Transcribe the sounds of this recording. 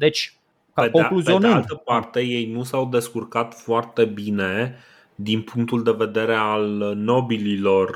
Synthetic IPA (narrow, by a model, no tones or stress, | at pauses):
d̪et͡ʃʲ | ked̪koeŋkluzeioneɨnalt̪əpart̪e̞je̞jnusawd̪e̞skurkat̪foart̪e̞bine̞ | d̪inpuŋk̚t̪uld̪e̞ve̞d̪e̞ɾe̞alno̞bililo̞r